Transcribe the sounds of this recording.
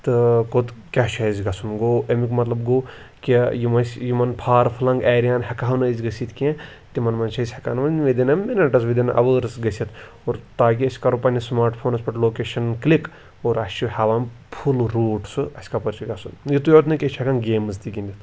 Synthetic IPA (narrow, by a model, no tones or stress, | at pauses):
t̪ɨkot̪ | kʲaʃʰɐizɡɐsʰunɡoːɐmikmɐt̪lɐbɡoː | kʲijimɐsʲjimɐnpʰaːɾpʰɨlɐŋɡaːɾijaːnɦɐkaɦɐwnɐzʲɡɐsʲit̪kʲẽ | t̪imɐnmɐnʃʰɐzʲhɐka̰ːnʋɐnʋed̪ʲɐnɐmminɐʈɐsʋid̪ʲɐnʔɐ̰ʋəːɾsɡɐsʲit̪ʰ | oːɾt̪aːk̬iɐsʲkɐɾupɐnismaːɾʈpʰoːnɐspɐʈloːkeːʃɐnklik | oːɾɐsʲt͡ʃuhaʋaːnpʰulɾoːʈsɨɐsʲkapɐɾt͡ʃʰiɡɐsunjit̪ujot̪nɨkʲeʃʰʲɐkanɡeːmɨzt̪iɡʲind̪ʲit̪